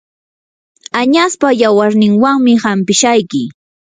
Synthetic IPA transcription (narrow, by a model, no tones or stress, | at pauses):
aɲaspajawaɾnɪŋwaŋmɪhampɪʃajkɪ